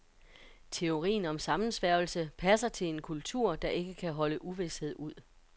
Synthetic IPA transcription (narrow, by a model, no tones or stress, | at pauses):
t͡sʰe̝o̝ʁḭːn̩ɒ̽msɑ̈mn̩sʋæɐ̰lsəpʰæsɐt͡sʰe̝lenkʰult͡sʰuɐ̰d̥ɑ̈ʔe̝ɡ̥əkʰæɦɒ̽ləʔuʋe̝she̝ð̞̰ˠuð̞̰ˠ